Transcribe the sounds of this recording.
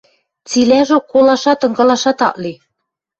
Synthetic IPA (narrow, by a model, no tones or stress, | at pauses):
t͡silæʒŏkolɑʃɑt̪ɤ̆ŋɡɤ̆lˠɑʃɑt̪ɑ̰ʔli